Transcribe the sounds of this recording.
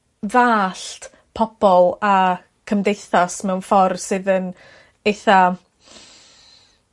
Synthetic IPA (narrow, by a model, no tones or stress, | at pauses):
vaːɬt | pʰɔb̥ɔlˠa | kʰəmdejθasmɛwnfɔrsɨðən | ejθa